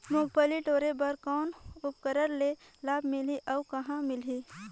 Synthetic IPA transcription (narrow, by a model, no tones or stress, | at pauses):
moːpəliʈoːɾebɐɾkɔːnʊp̚kəɾəɾlelaːbmɪliʔɐːkɐɦãmɪlɦiː